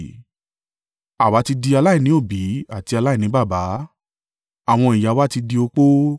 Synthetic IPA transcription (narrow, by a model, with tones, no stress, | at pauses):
a˨wa˨˦ti˧di˧a˧la˦i˦˨nĩ˨˦o˦˨bi˨˦a˦˨ti˧a˧la˦i˦˨nĩ˨˦ba˦˨ba˨˦ | a˨w̃ɔ̃˧i˨ja˨˦wa˦ti˧di˧o˧k͡po˦